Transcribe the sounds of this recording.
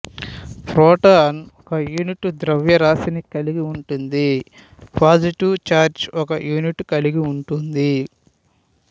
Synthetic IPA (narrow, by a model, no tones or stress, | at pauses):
pʰɾɔːʈanɔkɐjuːniʈd̪ɾɐʋjɐɾaːsinikɐliɡiuɳʈund̪i | pʰaːd͡ʒiʈiʋt͡ʃaːɾd͡ʒɔkɐjuːniʈkɐliɡiuɳʈund̪i